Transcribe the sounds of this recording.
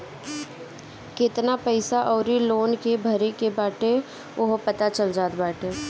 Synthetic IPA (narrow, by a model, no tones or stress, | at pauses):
kɪt̪napəɪsaʔɔːɾiloːnkebʱəɾekebaːʈe | ʊɦopɐt̪at͡ʃəld͡ʒaːd̪baːʈeː